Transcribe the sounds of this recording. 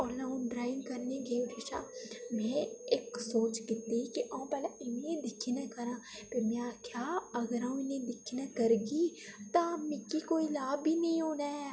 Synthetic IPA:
ɔːlãːũɖɾaːɪnkəɾneɡeʊʈeʃa̰ːmɛ̃ːɪksoːt͡ʃkɪt̪ːeikiʔãːpɛːlaɪnẽd̪ɪkʰːiːnɐkəɾãːpɪɾmɛ̃aːkʰjaːɐɡəɾãːɪnẽːd̪ɪkʰːinɐkəɾɡiːt̪ãmɪkːikoːilaːbʱiːnɐĩɦoːnaː

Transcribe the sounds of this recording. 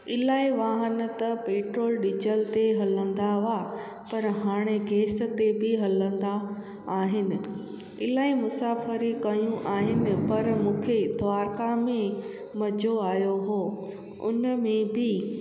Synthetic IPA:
ɪlaːiʋaːɦən̆t̪ɐpeːʈɾoːlɗɪd͡ʑəlt̪eɦɐlə̃n̆d̪aa | pɐɾɦaːɽ̃eɡeːs̆t̪ebɪɦɐlə̃n̆d̪aː | ɦɪnɪ̆ | ɪlaːimʊsaːfəɾikɐjũʔaːɦɪnɪ̆pɐɾmũːkʰed̪ʱʊaːɾkamẽ | mɐd͡ʑʱoaːjoɦoː | ʊ̰nmẽbɪ

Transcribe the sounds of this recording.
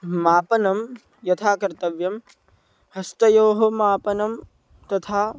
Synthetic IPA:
maːpɐnɐm | jɐt̪ʰaːkɐɾt̪ɐʋjɐm | hɐst̪ɐjoːɦɐmaːpɐnɐm | t̪ɐt̪ʰaː

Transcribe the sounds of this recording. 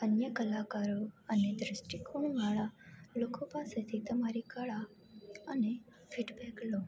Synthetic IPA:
ənjəkəlakaɾoəned̪ɾɪsʈɪkũʋaɭalokopaset̪ʰit̪əmaɾikəɭa | əne | fʰiʈbɛklo

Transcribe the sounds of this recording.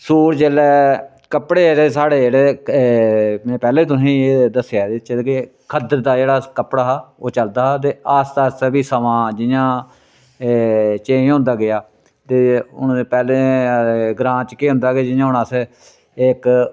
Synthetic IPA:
suːɾd͡ʒeːlɛː | kəpɽeːɽeːsaːɽeːeːɽeː | mɛ̃ːpɛːleːt̪̬ʊsĩːed̪əsjaːd̪et͡ʃeke | kʰəd̪əɾd̪aːd͡ʒeːɽaːkəpːɽaːɦːoːt͡ʃəld̪aːt̪̬eːaːst̪aːsbiːsəʋãːd͡ʒɪjãː | t͡ʃeːɦʊ̃nd̪aːɡɪjaː | t̪eːʊ̰npɛːlẽː | ɡɾãːt͡ʃkeːɦʊ̃nd̪aːɡɪːd͡ʒɪjãːʊnaːs | ek

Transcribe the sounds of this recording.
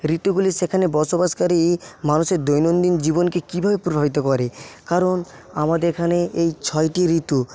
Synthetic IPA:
ɾit̪uɡuliʃekʰanebɔʃobaʃkaɾimanuʃeɾd̪ojnond̪ind͡ʑibonkekibʱabepɾobʱabit̪okɔɾekaɾon | amad̪eekʰaneʔejt͡ɕʰɔjʈiɾit̪u

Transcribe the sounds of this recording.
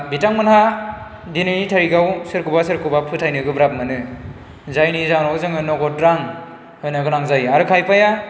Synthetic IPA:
bitaŋmanha | dinɯnitʰaɾiɡawsɯɾkubasɯɾkubapʰɯtʰajnɯɡɯbɾap̚mɯnɯ | zajnizaŋnɔɡɯzɯŋɯnɔɡɔtɾaŋ | hɯjnaɡɯnaŋzajaɾɯkʰajpaja

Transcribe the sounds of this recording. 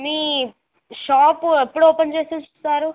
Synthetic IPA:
miː | ʃaːpepːuɽoːpent͡ʃeːsunt͡ʃust̪aːɾu

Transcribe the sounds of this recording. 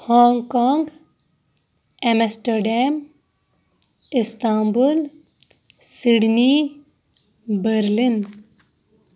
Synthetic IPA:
hɔːŋɡkaːŋɡ | emesʈəɾɖem | ɪst̪aːmbul | siɽni | bəɾlin

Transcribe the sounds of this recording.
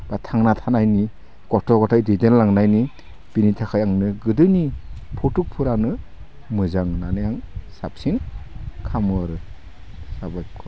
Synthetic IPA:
b̥atʰaŋnatʰanajni | kɔtʰɔɡɔtʰajdidenlaŋnajni | b̥initʰakʰajaŋnɯɡɯdɯnipʰɔtuk̚pʰɯɾanɯ | mɯzaŋnanɯjaŋsa̰psinkʰamɯaɾɯ | sabajkʰɔ

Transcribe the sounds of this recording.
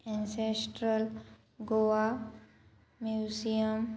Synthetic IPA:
ɛ̃nsesʈɾəl | ɡoʋa | mjusijəm

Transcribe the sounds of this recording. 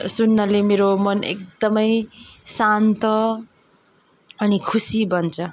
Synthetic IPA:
sunːʌlemeɾomʌnḛk̚d̪ʌmʌjsant̪ʌ | ʌnikʰusibʌnt͡sʰʌ

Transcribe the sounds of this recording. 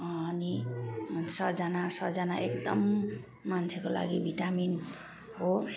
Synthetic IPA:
ʌni | sʌd͡zanasʌd͡zanaekd̪ʌmː | ant͡sʰekola̰ɡibʱiʈamin | ɦo

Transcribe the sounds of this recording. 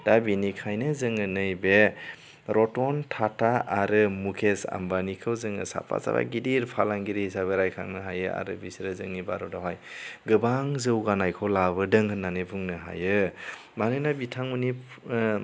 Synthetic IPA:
d̥abinikʰajnɯzɯŋɯnɯjbe | ɾʔɔtɔntʰatʰaaɾɯmukʰesa̰mbanikʰɯwzɯŋɯ̰sa̰pʰa̰za̰ɾa̰ɡidiɾpʰalaŋɡiɾihisabeɾajkʰa̰ŋnɯɦajɯa̰ɾɯbisɾɯzɯŋibaɾɔdɔɦajɡɯbaŋzɯwɡanajkʰolaβɯdɯŋhʰɯnːanɯbuŋnɯɦa̰jɯ | manɯnabitʰaŋmuni

